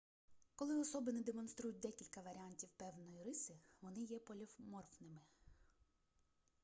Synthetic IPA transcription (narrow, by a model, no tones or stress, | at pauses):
kɔlˠɪɔsɔbɪnɛd̪emɔnst̪ɾujʊt̚ʲd̪ɛkʲilʲkɐʋɐɾʲɪanʲtʲiwpɛwnɔjiɾɪsɪʋɔnɪjɛpɔlʲɔwmɔrfnɪmɪ